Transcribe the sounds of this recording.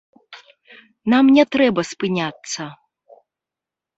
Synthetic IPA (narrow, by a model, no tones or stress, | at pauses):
namnʲɛt̪ɾɛbɐspɨnʲat̪sːɐ